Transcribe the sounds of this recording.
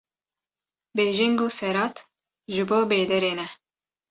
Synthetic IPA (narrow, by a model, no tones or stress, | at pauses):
beːʒɪŋɡuːsɛɾɑːt̪ | ʒɨboːbeːd̪ɛɾeːnɛ